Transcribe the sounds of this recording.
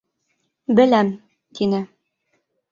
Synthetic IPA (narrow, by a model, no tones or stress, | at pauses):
bɘ̆læm | t̪ʰinɘ